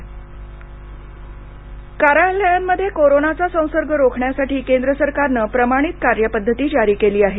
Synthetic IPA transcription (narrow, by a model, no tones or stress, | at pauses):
kaɾalːəjamːəd̪ʱːjekoɾonat͡sasə̃w̃səɾɡʱəɾokʰɳjasaʈiːkend̪ɾəsəɾkaɾnəːpɾəmaɽ̃it̪kaɾjəpəd̪ʱːət̪iːd͡ʑaɾiːkeliːaɦe